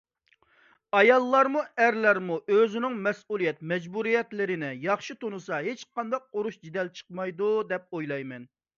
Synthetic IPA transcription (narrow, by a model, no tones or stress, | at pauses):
ɑjɑlˠːɑɾmuæɾlæɾmuʔøzɪnɪŋmɛsulˠijɛt̪̚mɛd͡ʒbuɾijɛt̪lɪɾɪnɪjɑχʃit̪onusɑɦet͡ʃqʰɑnd̪ɑq̚oɾuʃd͡ʒid̪ɛlt͡ʃʰə̥qmɑjd̪ud̪ɛp̚ojlˠɑjmɛn